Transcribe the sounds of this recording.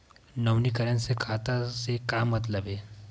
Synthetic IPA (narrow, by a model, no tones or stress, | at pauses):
nɐwnikəɾənsekʰaːt̪asekaːmːɐt̪ləbeː